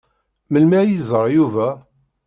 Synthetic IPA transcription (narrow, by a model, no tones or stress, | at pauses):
məlmæjizˤəɾˤjuvæ